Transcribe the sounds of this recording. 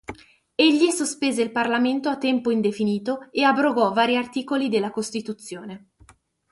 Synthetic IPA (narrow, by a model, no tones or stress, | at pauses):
eʎːisospeːzeilparlament̪oat̪ːɛmpoind̪efiniːt̪oeabɾoɡɔvaːɾiart̪iːkolid̪elːakost̪it̪ut̪sːjoːne